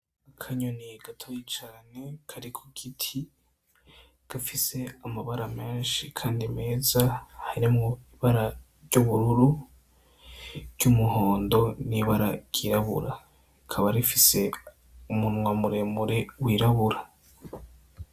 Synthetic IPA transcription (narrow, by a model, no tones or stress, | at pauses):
akʰaɲoniɡ̥atʰojit͡ʃaːne̞kʰaɾikʰoɡ̥itʰi | ɡ̥afise̞amaβaɾame̞ːnʃikʰaːndime̞ːzahaɾimŋoiβaɾa | ɾɟuβuɾuɾu | ɾɟumuho̞ːndo̞niβaɾa̰ɟ̥iɾaβṵɾa | ikʰaβaɾifise̞ | umunwamuɾe̞muɾe̞wiːɾaβuɾa